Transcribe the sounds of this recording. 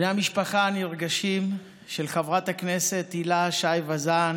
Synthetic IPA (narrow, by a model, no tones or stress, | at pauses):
neamiʃpaχaːniʁɡaʃim | ʃelχavʁathakne̞se̞t̪ilaʃajvazan